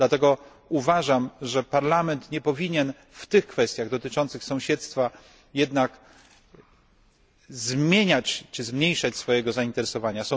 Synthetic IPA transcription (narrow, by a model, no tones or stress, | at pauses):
d̪lat̪ɛɡɔ | uvaʐamʐɛpaɾlamɛnt̪ɲɛpɔvʲiɲɛn | ft̪ɘxkfɛst̪ʲjaɣd̪ɔt̪ɘt͡ʂɔnt̪sɘxsɔ̃w̃ɕɛt̪st̪fa | jɛd̪nak | zmʲeɲat͡ɕt͡ʂɘzmɲejʂat͡ɕsfɔjɛɡɔzaint̪ɛɾɛsɔvaɲasɔ̃